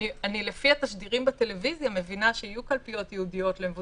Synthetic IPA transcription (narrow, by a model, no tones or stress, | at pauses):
ianilefiat̪aʃd̪iʁimbat̪e̞le̞vizjame̞vinaʃeijukalpijo̞t̪jeudijo̞t̪lemevu